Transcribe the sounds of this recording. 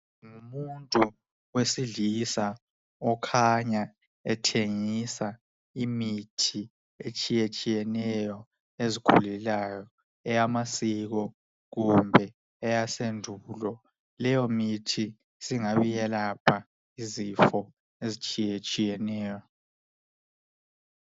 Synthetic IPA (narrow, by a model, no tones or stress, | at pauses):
ŋumuntʼu | wesiɮisa | ɔkʰaɲa | ɛtʰeŋisa | imitʰi | et͡ʃʼijet͡ʃʼijɛnɛjɔ | ezikʰṵlɛlajɔ | ɛjamasiɣ̬ɔ | ɣumbʱɛː | jasendʱulɔ | lɛjɔmitʰi | siŋaβijɛlapʰa | izifɔ | ezit͡ʃʼijet͡ʃʼijɛnɛːjɔ